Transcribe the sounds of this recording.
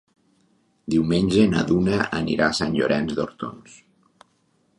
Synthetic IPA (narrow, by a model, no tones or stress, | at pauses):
d̪iwmenʲʒena̰ðunaənḭɾasanʎoɾɛnzd̪oɾt̪o̰ns